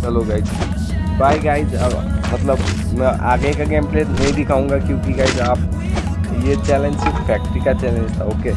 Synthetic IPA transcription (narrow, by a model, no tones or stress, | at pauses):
t͡ʃɐloɡaid͡ʒ | baːiɡaːid͡ʒɐ̰bmɐt̪ləb | mɛ̃ʔa̰ːɡekaɡempleːtnɐɦĩd̪ɪkʰaːũŋɡakjõkiɡaːid͡ʒaːp | jet͡ʃɛlẽnd͡ʒsɪkpʰɛːk̚ʈikat͡ʃɛlẽnd͡ʒt̪ʰaoːke